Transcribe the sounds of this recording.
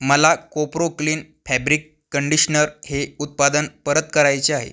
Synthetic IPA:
məlakopɾokliːn | fæbɾikːəɳɖiɕnəɾheut̪̚pad̪ənpəɾət̪kəɾajt͡ɕeaɦḛ

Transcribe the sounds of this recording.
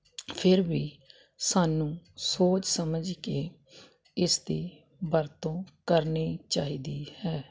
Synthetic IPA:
pʰɪɾbiː | saːnũːsoːt͡ʃsəməd͡ʒkeː | ɪsd̪iː | bəɾt̪õːkəɾniːt͡ʃaːiːd̪iːhɛː

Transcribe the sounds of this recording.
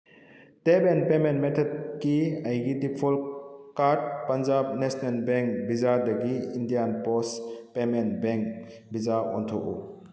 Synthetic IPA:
tebenpementmetʰɔt̚kiajɡidipʰɔlkaɾd̚pɐnd͡ʒab̚nesnelbeŋkbizadɐɡiːndijanpɔspemenbeŋk | bizaɔ̰ntʰɔkṵ

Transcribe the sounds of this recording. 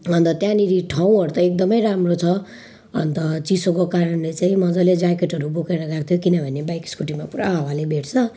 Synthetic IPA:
ʌnt̪ʌt̪jãniɾiʈʰaw̃ʌɾut̪ʌek̚d̪ʌmʌjɾamrot͡sʰʌ | ʌ̰nt̪ʌt͡sisokokaɾʌnlet͡saĩmʌd͡zʌled͡zakeʈʌɾubokeɾʌɡak̚t̪ʰjokinʌbʱʌnebajkskuʈimapuɾaɦʌwalebʱeʈʰt͡sʰʌ

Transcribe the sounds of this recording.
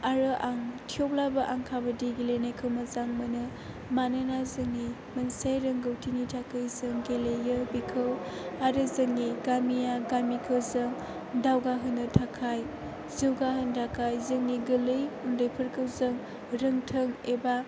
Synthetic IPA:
aɾɯʔaŋtʰijop̚labaʔaŋkʰabɐdiɡelejnajkʰɯwmazaŋmɯnɯ | mananazɯŋni | mɐnsajɾɯŋɡɯwtʰinitʰakʰɯjzɯŋɡelejɯbikʰɯwaɾɯzɯŋniɡamijaɡamikʰɯzɯŋ | dawɡaɦɯnːɯtʰakʰaj | zɯwɡaɦɯndʰakʰajzɯŋniɡɯlɯjundɯjpʰɯɾkʰɯwzɯŋ | ɾɯŋtʰɯŋeba

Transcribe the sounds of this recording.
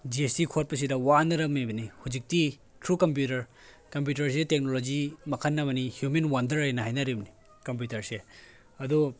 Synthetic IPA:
d͡ʒiestikʰot̚pɐs̬idɐwanɐɾɐmebɐnihud͡ʒik̚ti | tʰɾukɐmp̬jutɐɾ | kɐmp̬jutɐɾs̬itek̚nolod͡ʒimɐkʰɐnːɐmɐnihjumenwandɐɾajnɐɦajnɐɾibni | kɐmp̬jutɐɾse | ɐdu

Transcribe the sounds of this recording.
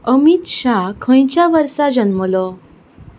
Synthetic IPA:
əmit̪ɕakʰə̃j̃t͡ɕjaʋəɾsad͡ʑənməlɔ

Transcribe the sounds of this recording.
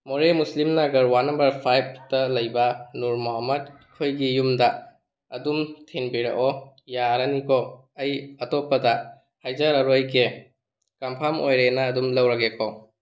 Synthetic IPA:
moɾemuslimnaɡɐɾwanːɐmbɐɾpʰajb̚ʰtɐlɐjbɐnuɾmoɦamɐt̚ | kʰojɡijumdɐ | ɐdumtʰenbiɾɐ̰kɔ | jaɾɐnikʰɔ | ɐjɐtopːɐdɐ | hajzaɾɐɾojke | kampʰamojɾenɐːdumlɐwɾɐɡekʰo

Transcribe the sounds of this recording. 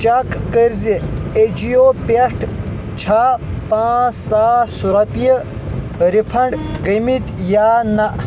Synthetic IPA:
t͡ʃakkəɾzied͡ʑijopeʂʈʰ | t͡ɕʰapãːsaːsuɾɐpije | ɾipʰɐɳɖɡimit̪jaːnɐʔ

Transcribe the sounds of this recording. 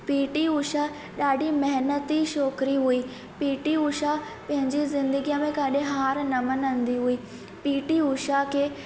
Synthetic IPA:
piːʈiʊʃa | ɗaːɖʱimɐɦɪnət̪iʃɔːkɾiɦuiː | piːʈiʊʃa | pɐ̃ɦɪ̃ɲd͡ʑizɪ̃nd̪əɡijə̃mẽkaɗẽɦaːɾnɐmənɐ̃nd̪iɦuiː | piːʈiuʃakʰeː

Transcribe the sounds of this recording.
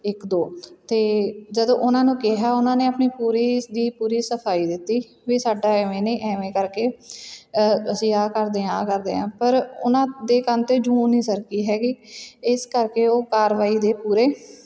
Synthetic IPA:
ɪkd̪oːt̪eːd͡ʒəd̪õːʔʊnãːnũːkɪɦaːʊnãːneːəpniːpuːɾiːd̪iːpuːɾiːsəpʰaːiːd̪ɪt̪ːiː | ʋiːsaːɖaːɛːʋẽːnẽːʔɛːʋẽːkəɾkeː | əsĩːaːkəɾd̪eːãːkəɾd̪ḛːãːpəɾʊnãːd̪eːkənt̪eːd͡ʒũːniːsəɾkiːɦɛːɡiːɪskəɾkeːoːkaːɾʋaːiːd̪eːpuːɾeː

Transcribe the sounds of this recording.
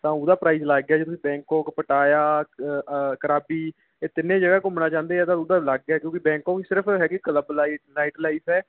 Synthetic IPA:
t̪ãːʊd̪aːpɾaːiːzlaːɡːɛːd͡ʒeːt̪ʊsĩːbɛ̃ːŋkõːkpəʈaːjaː | kəɾaːbiː | eːt̪ɪnːẽːd͡ʒəɡaːkʊmənaːt͡ʃãːnd̪eːɛːt̪ãːʊd̪aːlaːɡɡɛkjõːkɪbɛ̃ːŋkõːisɪɾəpʰɦɛːkɪkələblaːilaːɪʈlaːiːsɛː

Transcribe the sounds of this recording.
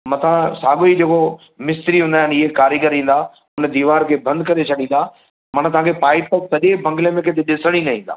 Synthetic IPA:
mɐ̃t̪ʰãsaːɠoid͡ʑeko | mɪst̪ɾiɦũːn̆d̪aːɪnɪɦekaːɾiɡəɾĩːn̆d̪aː | ʊnd̪iːʋaːɾkʰeːbɐ̃nd̪kɐɾet͡ɕʰɐɗĩːn̆d̪aː | mɐɽ̃t̪ɐʋ̤ãːkʰepaːɪʈət̪ɐʄebʱɐ̃ŋɡɪlẽmẽkʰẽt̪eɗɪsəɽ̃inɐɦĩːnd̪a̰ː

